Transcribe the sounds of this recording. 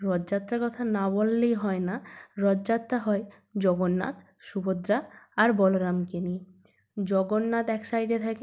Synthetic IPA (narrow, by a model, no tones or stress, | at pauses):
ɾɔd͡ʑd͡ʑat̪ːɾaɾkɔt̪ʰanabolːejɦɔenaɾɔdd͡ʑat̪ːaɦɔe | d͡ʑɔɡonːa̰t̪ | ʃubod̪ɾaaɾbɔloɾamkeni | d͡ʑɔɡonːat̪ɛksajɖet̪ʰake